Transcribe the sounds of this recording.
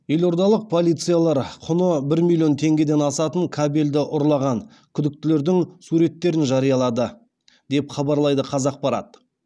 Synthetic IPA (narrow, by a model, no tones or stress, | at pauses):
je̞lo̞ɾd̪ɑlˠəq̚pʰo̞lˠijt̪sɨjalˠɑɾqʰʊnəbɪɾmilʲˠjo̞nt̪ʰe̞ŋɡʲe̞d̪e̞nɑsɑt̪əŋkʰabe̞ld̪ɪʔʊɾlˠɑʁɑn | kʲʰʏd̪ɪk̚t̪ɪle̞ɾd̪ɪŋsuɾe̞t̪ːe̞ɾɪnʒɑɾijɑlˠɑd̪ə | d̪e̞pχɑbɑɾlˠɑjd̪əqʰɑzɑq̚pɑɾɑ̰t̪̚